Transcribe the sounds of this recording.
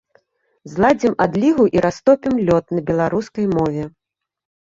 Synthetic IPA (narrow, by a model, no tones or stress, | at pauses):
zlˠad͡zʲimad̪lʲiɣuʔiɾast̪ɔpʲimlʲɔt̪̚nɐbʲɛlˠaɾuskɐjmɔvʲɛ